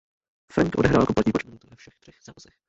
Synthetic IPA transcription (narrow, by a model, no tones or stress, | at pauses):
fɛ̰nk̪ʔodɛɦɾaːlkoplat̪ɲiːpot͡ʃmɪnut̪uvɛfʃɛxt̪r̥ɛxz̥aːzɛx